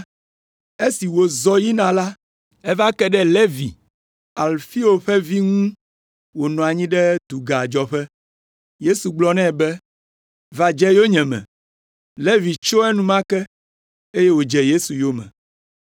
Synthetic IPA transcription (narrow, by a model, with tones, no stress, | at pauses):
e˦si˨wo˨zɔ˦ji˦nã˨la˦ | ɛ˦va˦kɛ˦ɖɛ˦le˦vi˨ | a˨lfi˦o˨ɸɛ˦vi˦ŋũ˦ | wo˨nɔ̃˨a˨ɲĩ˦ɖɛ˦t̪u˨ɡa˨d͡ʒɔ˨ɸɛ˦ | je˦su˨ɡ͡blɔ˦nɛ̃˦˨bɛ˦ | va˨d͡ʒɛ˦jo˦ɲɛ̃˨mɛ̰̃˨ | le˦vi˨t͡ʃo˦ɛ˦nũ˦mã˦kɛ˦ | e˦je˦wo˨d͡ʒɛ˨je˦su˨jo˦mɛ̰̃˨